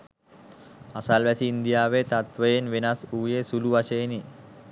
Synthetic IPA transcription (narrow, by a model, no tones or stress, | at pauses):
asalʋæsiːnd̪ijaːʋet̪at̪ʋəjenʋenasuːjesuluʋaʃeːni